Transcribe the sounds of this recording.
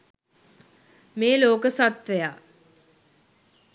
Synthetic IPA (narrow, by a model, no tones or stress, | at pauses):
meːloːkəsat̪ʋejaː